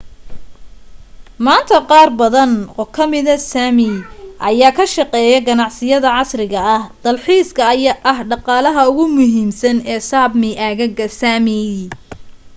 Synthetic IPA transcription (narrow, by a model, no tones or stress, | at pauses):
maːnt̪ʰɐqɑːrbɐðɐnɔːkʰɐmɪðɐsaːmɪʔɐjaːkʰɐʃɑqɛːjɐɡɐnɑʕsɪjɐðɐʕɑsrɪɣɐɐhd̪̥ɐlħiːskʰɐɐjʔɐɦɖɑqɑːlɐɦɐʊɣʊmʊɦiːmsɐnɛːsaːbmɪʔaːɣɐɣɐsaːmɪ